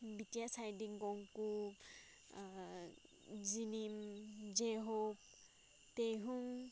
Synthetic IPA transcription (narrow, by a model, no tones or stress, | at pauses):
bitijasajdiŋɡɔŋku | zinimzeɦɔp̚ | tejɦuŋ